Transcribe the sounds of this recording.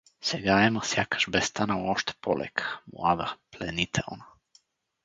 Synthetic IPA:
sɛɡaɛmasjakʰḁʃbɛst̪ʰanauoʃt̪ɛ̥pʰolɛ̰kʰḁmṵavɛɾplɛnit̪ʰɛo̰na

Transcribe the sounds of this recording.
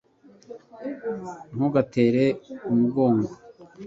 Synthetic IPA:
ŋ̥huɡateːɾeumuɡoːŋɡo

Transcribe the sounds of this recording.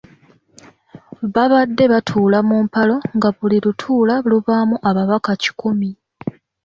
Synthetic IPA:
βaβadːe̞βatʰuːlamumpalo̞ŋɡaβuliɾutʰuːlaβuluβamuʔaβaβakaci̥kumi

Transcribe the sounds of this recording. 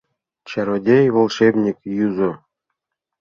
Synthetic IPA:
t͡ɕɑɾodʲejvolˠʃebnʲikjuzŏ

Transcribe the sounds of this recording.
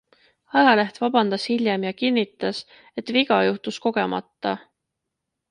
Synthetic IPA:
ɑjɑleht̪vɑbɑnd̪̥ɑshilʲjemjɑkinːit̪ːˑɑs | e̞t̪ˑviɡ̥ɑjuht̪usko̞ɡ̥e̞mɑ̰t̪ːɑ

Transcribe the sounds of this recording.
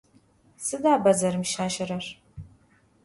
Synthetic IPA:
sɨdaːbɐzɐɾɨmʃaːʃɐɾɐr

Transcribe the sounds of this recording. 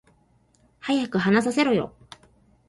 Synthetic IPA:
hajakɯ̟ɦanas̬aseɾɯjo̞̰

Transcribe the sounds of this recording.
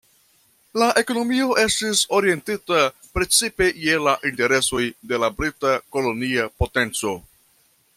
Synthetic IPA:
laʔe̞ko̞no̞mio̞ʔe̞stiso̞ɾie̞ntitapɾe̞t͡sipe̞je̞laʔinte̞ɾe̞so̞jde̞labɾitako̞lo̞niapo̞te̞nt͡so̞

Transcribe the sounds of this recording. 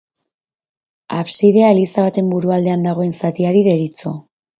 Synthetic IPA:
aβsiðe̞alisaβat̪e̞mbuɾuald̪e̞and̪aɣ̞o̞e̞nsat̪iaɾiðe̞ɾit͡so

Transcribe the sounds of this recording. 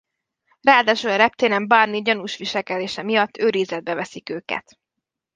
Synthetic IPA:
raːd̪aːʃulɒɾɛp̚t̪eːnɛmbɒrniɟɒnuʃʋiʃɛlkɛd̪eːʃɛmijɒt̪ʰːøːɾizɛd̪̚bɛvɛsikøːkɛ̰t̪

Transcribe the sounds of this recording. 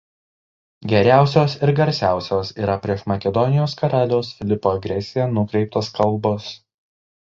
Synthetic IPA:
ɡʲɛɾʲæˑʊsʲoːsɪɾɡɐɾʲsʲæˑʊsʲoːsiːɾɐpʲɾʲiɛʃmɐkʲɛd̪ɔnʲɪjoːskɐɾɑːlʲoːsfʲɪlʲɪpoːɐɡɾʲɛsʲɪjɛnʊkɾʲɛɪp̚t̪oːskɐlˠˑbɔs

